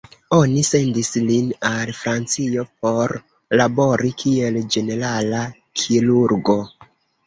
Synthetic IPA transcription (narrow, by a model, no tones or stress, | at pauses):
o̞nise̞ndislinalfɾant͡sio̞p̚o̞ɾ | labo̞ɾikʰie̞ld͡ʒe̞ne̞ɾala | kʰiɾuɾɡo̞